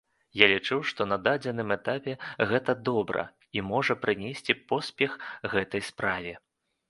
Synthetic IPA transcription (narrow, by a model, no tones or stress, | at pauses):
jalʲit͡ʂɨwʂt̪ɔnɐd̪ad͡zʲɛnɨmɛt̪apʲɛɣɛt̪ɐd̪ɔbɾɐ̰ | imɔʐɐpɾɨnʲɛsʲt͡sʲipɔsʲpʲɛxɣɛt̪ɐjspɾavʲɛ